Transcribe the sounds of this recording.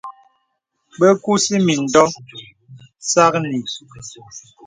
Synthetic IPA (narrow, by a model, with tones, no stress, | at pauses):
bə˦ku˦si˦mi˨n̩˨dɔ˦ | sa˦kni˨